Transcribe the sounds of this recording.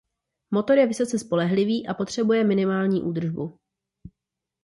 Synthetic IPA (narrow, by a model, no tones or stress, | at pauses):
mo̞t̪o̞ɾjɛvɪsot͡sɛspo̞lɛɦlɪviːʔapo̞t̪r̝̥ɛbujɛmɪnɪmaːlɲiːʔuːd̪r̩ʒbu